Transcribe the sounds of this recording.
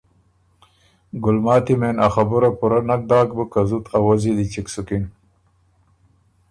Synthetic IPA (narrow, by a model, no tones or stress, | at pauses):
ɡʊlmaːt̪imenaxɐbuɾapuɾanɐk̚d̪aːk̚bəkɐzut̪ʰawɐzid̪it͡ɕiksukin